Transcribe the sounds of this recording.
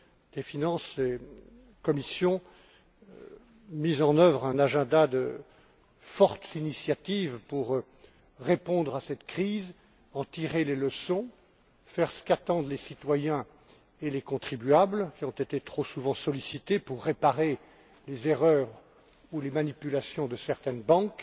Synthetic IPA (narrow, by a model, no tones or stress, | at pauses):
d̪̥efinɑ̃se | kɔmisjɔ̃ | mizɑ̃nœvʁɛ̃naʒɛ̃d̪ad̪ə | fɔʁt̪zinisjat̪ivpuʁ | ʁepɔ̃d̪ʁasɛt̪kχiz | ɑ̃t̪iʁeleləsɔ̃ | fɛʁsə̥kat̪ɑ̃d̪lesit̪wajɛ̃ | elekɔ̃t̪χibyablkʲiɔ̃t̪et̪et̪χosuvɑ̃sɔlisit̪epuʁːepaʁe | lezeʁœːʁ | ulemanipylasjɔ̃d̪əsɛʁt̪ɛnbɑ̃k